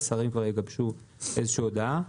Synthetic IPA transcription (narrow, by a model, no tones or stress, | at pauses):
saʁimkvaʁjeɡabʃu | ʔezeʃuod̪a